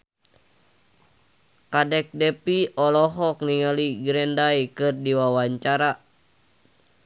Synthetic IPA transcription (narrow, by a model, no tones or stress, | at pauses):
kadɛk̚dɛpiɔlɔɦɔk̚niŋaliɡɾɛndajkɨrdiwawaɲt͡ʃaɾa